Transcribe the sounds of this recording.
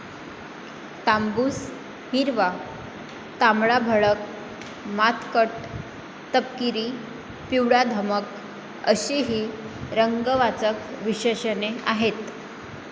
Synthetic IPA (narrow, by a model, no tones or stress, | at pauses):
t̪ambuːs | hiɾʋa | t̪amɭabʱəɭək | mat̪ʰkəʈ̚ | t̪əpkiɾiː | piwɽad̪ʱəmək | əɕiɦiː | ɾəŋɡəʋat͡səkʋiɕeɕəneaɦet̪